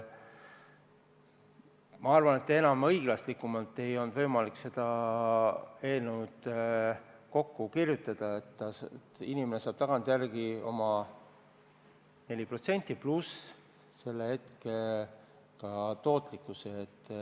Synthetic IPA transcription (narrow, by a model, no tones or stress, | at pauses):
mɑɑrvɑne̞t̪ːee̞nɑmɤ̞jɡ̥lɑslikːˑumɑlt̪ːˑe̞jo̞lnd̪vɤjmɑlikse̞d̪̥ɑ | e̞ːlnuwd̪̥ | ko̞kːukirjut̪ːˑɑd̪̥ɑet̪ːɑt̪ːinimenesɑːb̥t̪ɑɡ̥ɑnt̪jærɡio̞̰mɑ | ne̞lʲipro̞t̪se̞nʲt̪ˑːiplus | se̞lːehe̞t̪ke | kɑt̪o̞ːt̪ˑlikːˑuseːt̪ː